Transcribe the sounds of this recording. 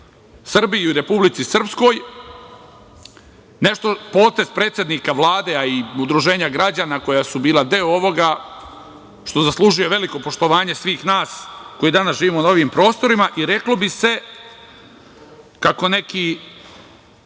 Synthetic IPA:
sr̩bijiuɾe̞publit̪sisr̩psko̞ːj | ne̞ʃt̪o̞po̞ːt̪e̞zpɾe̞ːt̪sje̞d̪nikaʋlˠaːd̪e̞aiud̪ɾuʒe̞ːɲaɡɾad͡ʑaːnako̞jasubiːlˠad̪eoo̞ʋo̞ɡa | ʃt̪o̞zaslˠuːʒuje̞ʋe̞liko̞po̞ʃt̪o̞ʋaːɲe̞sʋiːxnaːskojid̪anasʒiːʋiːmonaoʋiːmpɾo̞ːst̪o̞ɾimaʔiɾe̞klo̞bise̞ | kako̞ne̞ki

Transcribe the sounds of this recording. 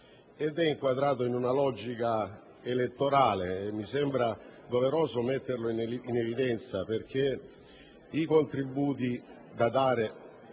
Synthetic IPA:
ed̪ɛiŋkwad̪ɾaːt̪oinunalɔd͡ʒika | elet̪ːoɾaːleːmːisɛmbɾad̪oveɾɔːzomet̪ːerloininevid̪ɛnt̪saperk̟e | ikont̪ɾibːuːt̪i | d̪ad̪aːɾe

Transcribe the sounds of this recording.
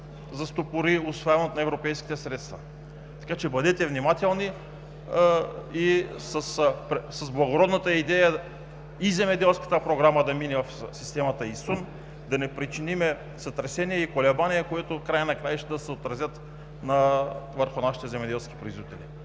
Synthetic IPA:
zɐst̪opʊɾiʊsvojavɐnot̪nɐɛvɾopɛjsk̟ʲi̥t̪ɛsɾɛt̪st̪vɐ | t̪ɐ̥kat͡ʃɛbɐd̪ɛt̪ɛvnimat̪ɛlˠni | isəspɾsɐzblˠɐɡoɾɔd̪nət̪əid̪ɛjə | izɛmɛd̪ɛlˠskə̥t̪əpɾoɡɾaməd̪ɐminɛvɐfsist̪ɛmɐt̪əisun | d̪ɐnɛpɾit͡ʃinimɛ | sɐt̪ɾɛsɛniɛikolɛbaniɛkoɛt̪ʊkɾajənɐkɾajʃt̪ɛd̪ɐsɛot̪ɾɐzjət̪ | nɐvəɾxʊnaʃi̥t̪ɛzɛmɛd̪ɛlˠskʲi̥pɾizvit̪ɛli

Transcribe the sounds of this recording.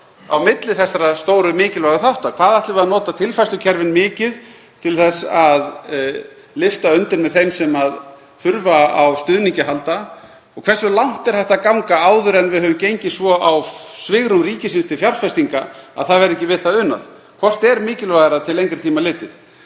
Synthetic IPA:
a̰wmɪt̪lɪθɛsːaɾast̪oːwɾʏmɪːcɪlvaɣʏθawht̪akʰvaːðajht̪lɪvɪaðnɔːt̪at̪ʰɪlfajst̪ʏcʰɛɾvɪnmɪːcɪð | t̪ʰɪlθɛsað | lɪft̪aʏnt̪ɪɾmɛðθejmsɛmað | θʏɾvaawst̪ʏðniɲcɪɦalt̪a | ɔɣkʰvɛrsʏlawn̥t̪ɛɾ̥θɛht̪akawŋkaaːwðʏɾɛnvɪðhɦœvʏmcejɲcɪsvɔʔawsvɪɣɾʏmriːcɪsɪnst̪ʰɪlfjaɾfɛst̪iŋkaa̰ðθaðvɛɾɛhcɪvɪðθaðʏnːa̰ð | kʰvɔr̥t̪ɛɾmɪːcɪlvaɣɾat̪ʰɪlejŋkɾɪɾt̪ʰiːmalɪːt̪ɪð

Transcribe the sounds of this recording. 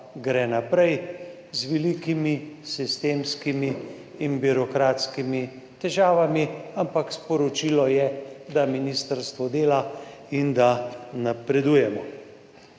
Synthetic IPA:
ɡɾɛnapɾɛj | zʋɛlikimisist̪eːmskimiː | nbiɾɔkɾaːt̪skimi | t̪ɛʒaːʋamiampakspɔɾɔt͡ʃilɔjɛd̪aminist̪əɾst̪ʋɔd̪eːlaind̪anapɾɛd̪uːjɛmɔ

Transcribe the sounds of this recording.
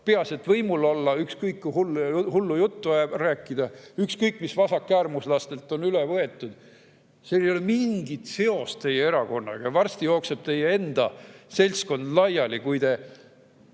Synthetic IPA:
peɑset̪vɤjmulolːɑykskɤjkːuhulhulːujut̪ːuæbræːkːˑid̪̥ɑykskɤjkːmisvɑsɑkːˑæːrmuslɑst̪e̞lt̪ːˑo̞nylɛvɤe̞t̪ːˑud̪̥ | selejolemiŋɡ̥it̪se̞o̞st̪t̪e̞jːeeɾɑko̞nːɑ̰ɡ̥ɑjɑvɑrst̪ijo̞ːkse̞b̥̚t̪e̞jːee̞nd̪̥ɑse̞lʲsko̞nd̪̥lɑjɑlikujd̪e̞

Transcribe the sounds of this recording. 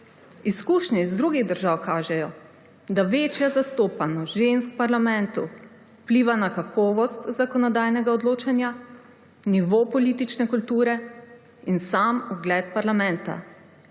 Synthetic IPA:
iskuːʃnɛizd̪ɾuɡiɣd̪əɾʒawkaːʒɛjɔ | d̪aʋeːt͡ʃjazast̪oːpanɔʒenskpaɾlamɛnt̪u | pliːʋanakakʰɔːʋɔst̪zakɔnɔd̪ajnɛɡaɔd̪loːt͡ʃanja | niʋopɔliːt̪it͡ʃnɛkult̪uːɾɛ | insamuɡlɛt̪̚paɾlamɛ̃nt̪a̰

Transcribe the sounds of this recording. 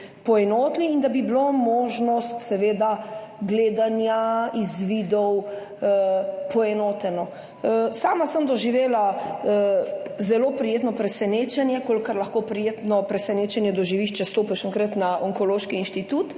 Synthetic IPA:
pɔɛnoːt̪niːnd̪abiblomoːʒnɔst̪sɛʋeːd̪aɡleːd̪anjaizʋid̪ɔw | pɔɛnoːt̪ɛnɔ | saːmasəmd̪ɔʒiʋeːla | zɛloːpɾijeːt̪nɔpɾɛsɛneːt͡ʃɛnjɛkolkaɾlɐxkopɾijeːt̪nɔpɾɛsɛneːt͡ʃɛnjɛd̪ɔʒiʋiʃt͡ʃɛst̪oːpɛʃɔŋkɾət̪naɔŋkɔloːʃkiːnʃt̪it̪ut̪

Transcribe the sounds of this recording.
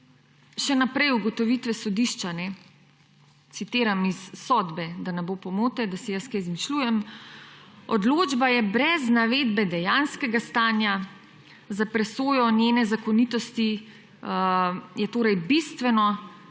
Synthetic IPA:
ʃɛnapɾɛjuɡɔt̪ɔʋit̪ʋɛsɔd̪iʃt͡ʃanɛ | t̪sit̪eːɾamisːɔd̪bɛd̪anɛboːpɔmoːt̪ɛd̪asɛjaskɛjzmiʃluːjɛm | ɔd̪loːd͡ʒbajɛbɾɛznaʋeːd̪bɛd̪ɛjaːnskɛɡast̪aːnja | zapɾɛsoːjɔnjeːnɛzakɔnit̪ɔst̪i | jɛt̪oːɾɛjbist̪ʋɛnɔ

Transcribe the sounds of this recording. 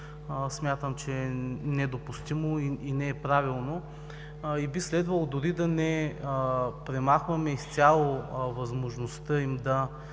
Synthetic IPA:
smʲjat̪əmt͡ʃɛnɛd̪opust̪imoiinɛːpɾavilˠno | ibislɛd̪vəlˠd̪ʊɾid̪ɐnɛ | pɾɛmaxvɐmɛist̪sʲalˠovɐzmoʒnost̪əimd̪ɐ

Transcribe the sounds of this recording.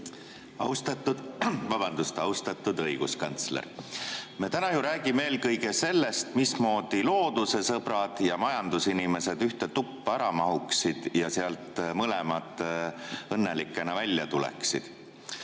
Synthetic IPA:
ɑ̰wst̪ɑt̪ːˑud̪vɑbɑnd̪ust̪ɑwst̪ɑt̪ːˑud̪ɤjɡ̥uskɑnt̪slḛɾmet̪ænɑjuɾæːɡ̥imeeːlkɤjɡe̞se̞lːe̞st̪mismo̞ːd̪̥ilo̞ːd̪̥use̞sɤb̥ɾɑd̪̥jɑmɑjɑnd̪̥usinime̞sed̪yht̪et̪upːæɾɑmɑɦuksid̪̥jɑseɑlt̪ˑmɤlemɑt̪ːˑ | ɤnːelikːˑe̞nɑvælʲjɑt̪ulḛksid̪̥

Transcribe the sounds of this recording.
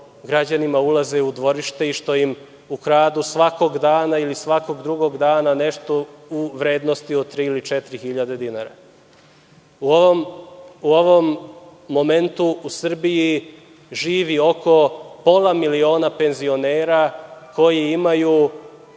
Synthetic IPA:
ɡɾad͡ʑanimaulˠazeud̪ʋo̞ɾiʃt̪e̞iʃt̪o̞jim | ukɾaːd̪usʋako̞ɡd̪aːnailisʋako̞ɡd̪ɾuɡo̞ɡd̪aːnaneʃt̪ouʋɾe̞ːd̪nost̪iot̪ɾiːilit͡ʃɛt̪ɾixiʎad̪e̞d̪inaːɾa̰ | umuoʋo̞mːo̞ment̪uusr̩biji | ʒiːʋio̞kʰo̞po̞lˠamilio̞ːnape̞nzio̞neːɾakʰo̞jiimaju

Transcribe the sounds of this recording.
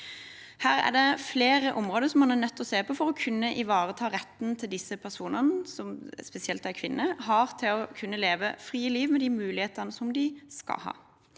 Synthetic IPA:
hæːʁæ̰d̪ɛfleːʁəʔɔmʁoːd̪əɾsɔmɑnænœt̪ʰːɔseːpʰɔːfɔɾɔkʰʉnːəʔɪʋɑːʁət̪ʰɑːʁɛt̪ːn̩t̪ʰɪld̪ɪsəpʰæsuːnənəsɔmspɛsɪɛlt̪ækʰʋɪnːʔəɦɑʁt̪ʰɪlɔkʰʉnːəleːʋəfʁiːəliːʋmɛd̪iːmʉːlɪheːt̪ənəsɔmd̪ɪskɑ̰hɑ̰ː

